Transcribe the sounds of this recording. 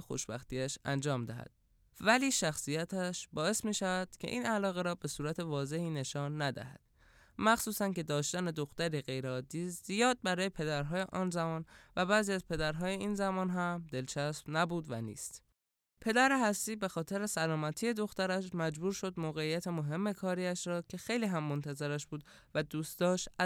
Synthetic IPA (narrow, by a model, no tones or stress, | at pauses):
xo̰ʃbæ̰xt̪iæʃæ̰nd͡ʒɒːmd̪æ̰hæ̰d̪̥ | væliːʃæxsijæt̪ʰæʃbɒːe̞smiːʃævæd̪̥cʰe̞̰ʔiːnælɒːɣe̞ɾɒːbe̞suːɾæt̪ʰe̞vɒːze̞hiːne̞ʃɒːnːæd̪æ̰hæ̰d̪̥ | mæxsuːsænce̞d̪ɒːʃt̪æne̞d̪o̞xt̪æɾiɣe̞jɾeɒːd̪ːiːzijɒːd̪̚bæɾɒːje̞pʰe̞d̪æɾɦɒːje̞ʔɒːnzæmɒːnvæbæːziːæzpʰe̞d̪æɾɦɒːje̞iːnzæmɒːnɦæmd̪e̞lt͡ʃʰæsb̥næbuːd̪væ̰nḭːst̪ | pʰe̞d̪æɾeɦæsːiːbe̞xɒːt̪ʰeɾe̞sælɒːmæt̪ʰije̞d̪o̞xt̪æɾæʃmæd͡ʒbuːɾʃo̞d̪moːɣe̞ijæt̪ʰe̞moɦe̞mːe̞kʰɒːɾiæʃɾɒːcʰe̞xe̞jliːɦæmːont̪ʰæzeɾæʃb̥uːd̪ | væd̪uːst̪d̪ɒːʃt̪æ